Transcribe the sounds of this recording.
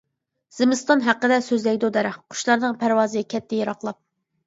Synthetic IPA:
z̥ɪmɨst̪ɑnɦæqːəd̪ɛsøzlɛɡʲd̪ud̪ɛɾɛχqʰʊ̥ʃlˠɑɾnɨŋpʰæɾwɑːzɨɡʲɛkʲʰɛt̪ʰːɛjɑɾɑqlˠɑp̚

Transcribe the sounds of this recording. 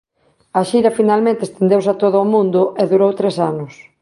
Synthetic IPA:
ɐʃiɾɐfinalmẽnt̪ɪest̪end̪ewsat̪oðʊːmũnd̪ʊʔɛðuɾowt̪ɾesanʊs

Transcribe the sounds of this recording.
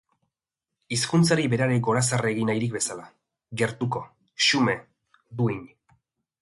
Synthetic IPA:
iskunt͡saɾibe̞ɾaɾeɡo̞ɾasareɣinajɾikbe̞sala | ɣe̞ɾt̪uko̞ | ʃume̞ | d̪uiɲ

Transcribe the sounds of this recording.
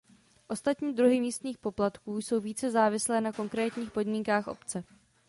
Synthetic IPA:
ʔo̞st̪at̪ɲiːd̪ɾuɦɪmiːst̪ɲiːxpo̞plat̪kuːjso̞wviːt͡sɛzaːvɪslɛːnako̞ŋkɾɛːt̪ɲiːxpo̞dmiːŋkaːxʔo̞̰pt͡sɛ

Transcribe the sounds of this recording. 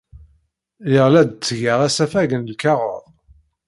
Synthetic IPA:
jəʁlæd̪t͡sːʝaʁæsæfæʝənlkɑʁo̰ðˤ

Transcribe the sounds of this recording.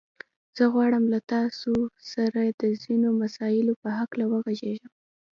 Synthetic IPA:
z̥əɣwɑɽəmlat̪ɑsosaɾad̪əzinomasɑjɪlopəɦaklawəɣaʒeʒəm

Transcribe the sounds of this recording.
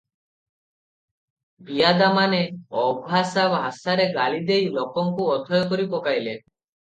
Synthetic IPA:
bijad̪amaneɔbʱasabɦasaɾeɡalid̪ejlokɔŋkuɔd̪ʱɔjɔkɔɾipɔkajle

